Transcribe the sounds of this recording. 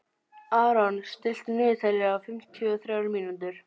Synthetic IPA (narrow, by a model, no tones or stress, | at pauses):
aːɾanst̪ɪl̥t̪nʏːt̪alːɪɣawfɪm̥t̪ʰjʏɔθɾjaːwɾmiːnut̪ʏɾ̥